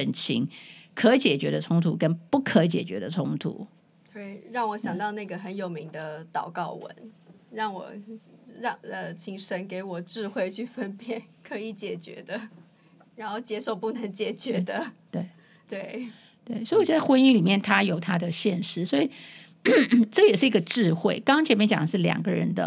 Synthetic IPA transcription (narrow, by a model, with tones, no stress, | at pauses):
ə˧˥nt͡ɕʰḭ˧˥˦ŋkʰɤ˧˦˥t͡ɕjɛ˨˩t͡ɕɥɛ˧˥d̪ə˨t͡sʰʊ˥ŋt̪ʰu˧˥kə˥npu˥˩kʰɤ˧˥t͡ɕjɛ̰˨˩t͡ɕɥɛ̰˧˥d̪ə˨t͡sʰʊ˥ŋt̪ʰṵ˧˦ | kʰə˧˥i˨˩ɻɑ˥˩ŋwɔ˧˥ɕjɑ˨˩ŋt̪ɑ˥˧ʊna˥˩ɡə˩xə˧˦njo˨˩ʊmi˧˥ŋd̪ə˧t̪ɑ˨˩ʊkɑ˥˩ʊwə̰˧˦n | ɻɑ˥˩ŋwɔ̰˨˩ɻɑ˥˩ŋə˧˩t͡ɕʰi˧˥ŋʂə˧˥nke˧˥ɪwɔ˨˩ʈ͡ʂɻ̩˥˧xwe˥˧ɪt͡ɕʰy˥˩fə˦npjɛ˨˩kʰɤ˧˥i˨˩t͡ɕjɛ˨˩t͡ɕɥɛ̰˧˥d̪ə˧ | ɻa˧˥nxo˥˩ʊt͡ɕjɛ˥ʂo˥˧ʊpu˥˩nə˧˥ŋt͡ɕjɛ˨˩t͡ɕɥɛ˧˥d̪ə˧t̪we˥˩ɪ | t̪we˥˩ɪ | t̪we˥˩ɪswɔ˧˥i˨˩t͡sa˥˩ɪxwə˥ni˥ŋli˨˩mjɛ˥˩nt̪ʰa˥jo˨˩ʊt̪ʰa˥d̪ə˨ɕjɛ˥˧nʂɻ̩˥swɔ˥i˨˩˥ | ʈ͡ʂɤ˥˩jɛ˨˩ʂɻ̩˥˩i˧˥ɡə˧ʈ͡ʂɻ̩˥˧xwe˥˩ɪkɑ˥ŋɑ˥ŋt͡ɕʰjɛ˧˥mɛ˧˥t͡ɕjɑ̰˨ŋd̪ə˦ʂ̬̩˥˩ljɑ̰˨˩ŋɡə˦ɻə̰˧˥nd̪ə˧